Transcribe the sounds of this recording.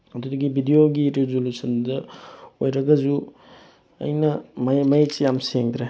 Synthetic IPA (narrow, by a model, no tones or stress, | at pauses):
ɐd̪udɐɡibʱidijoɡiɾezolusʰɐndɐojɾɐɡɐd͡ʒu | ɐ̰jnɐmɐmɐjt͡ʃijamseŋd̪ɾe